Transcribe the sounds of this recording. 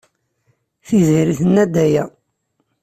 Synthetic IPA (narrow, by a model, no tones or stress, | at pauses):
θiziɾiθənːæd̪æjæ